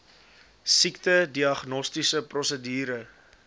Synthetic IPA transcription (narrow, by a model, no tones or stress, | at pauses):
siktədiɐχnɔstisəprɔsədiːɾə